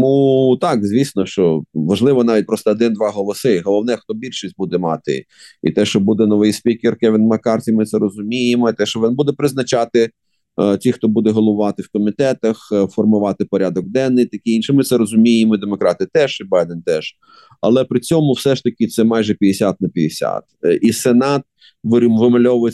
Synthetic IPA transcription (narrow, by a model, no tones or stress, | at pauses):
mut̪ɑkzʲʋʲisnɔʃt͡ʃɔʋɐʒlˠɪʋɔnɑʋʲit̚ʲpɾɔst̪ɔːd̪ɪnd̪ʋɑɦɔlˠɔsɪɦɔlˠɔwnɛxt̪ɔbʲilʲʃisʲt̚ʲbud̪ɛmɑ̰t̪ɪ̰ | ḭt̪ɛʃt͡ʃɔbud̪ɛnɔʋɪjsʲpʲikʲɪrkɛʋʲɪnmɐkɑrtʲimɪt̪sɛɾɔzʊmʲijemɔit̪ɛʃt͡ʃɔʋʲinbud̪ɛpɾɪznɐt͡ʃɑt̪ɪ | tʲixt̪ɔbud̪ɛɦɔlˠɔʋʊʋɑt̪ɪwkɔmʲit̪ɛt̪ɐxfɔrmʊʋɑt̪ɪpɔɾʲad̪ɔɡ̚d̪ɛnːɪjt̪ɐkʲɪinʃɪmɪt̪sɛɾɔzʊmʲijemɔid̪emɔkɾɑt̪ɪt̪ɛʒibɑjd̪ɛnt̪ɛʃ | ɐ̰lˠɛpɾɪt͡sʲɔmʊwsɛʃt̪ɐkʲɪt̪sɛmɑjʒɛpʲɐd̪esʲat̪̚nɐpʲid̪esʲa̰t̪isenɑt̪̚ | ʋʋɪmɐlʲɔʋʊj